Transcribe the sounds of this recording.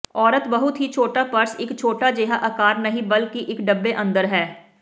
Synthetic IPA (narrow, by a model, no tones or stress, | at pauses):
ɔːɾət̪bɐɦʊt̪ɦit͡ʃʰoːʈapɐɾsɪkt͡ʃʰoːʈad͡ʒeːɦaʔɐkaːɾnɐɦĩbɐlkiʔɪkɖɐbːeʔɐ̃nd̪əɾɦɛː